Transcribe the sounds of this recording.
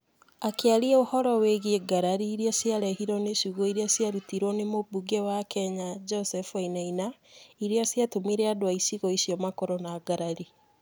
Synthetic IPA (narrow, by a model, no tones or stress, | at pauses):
akeaɾiɛohɔɾɔweɣeɡaɾaɾiːɾiɔsjaɾɛhiɾɔneʃuɣoiɾeasjaɾutiɾɔnemobuɡewakɛɲad͡ʒɔsɛfainainaiɾeasjatomiɾeadowaisiɣɔisiɔmakɔɾɔnaɡaɾaɾi